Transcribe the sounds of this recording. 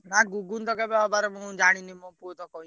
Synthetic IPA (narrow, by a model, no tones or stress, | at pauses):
naɡuɡunt̪ɔkɛbɛɔb̪aɾɛmũd͡ʒaɽ̃inimɔ̃put̪ɔkɔĩ